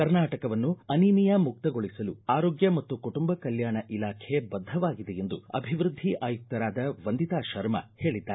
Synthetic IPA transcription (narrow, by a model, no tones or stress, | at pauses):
kɐɾnaːʈɐkɐʋɐnːuɐnimijɐmuk̚t̪ɐɡo̞ɭisɐluaːɾoːɡjɐmɐt̪ːukuʈumbɐkɐljaːɳɐʔilaːkʰebɐd̪ʱːɐʋaːɡid̪eje̞nd̪uɐ̰bʱiʋɾud̪ʱːiʔaːjuk̚t̪ɐɾaːd̪ɐʋɐnd̪it̪aːʃɐɾmɐ̰he̞ːɭid̪ːaːɾ